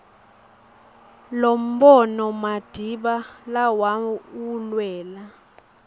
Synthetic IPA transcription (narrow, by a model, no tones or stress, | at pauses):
lom̩bɔnɔmad̥ʱiɓalawaulwɛːla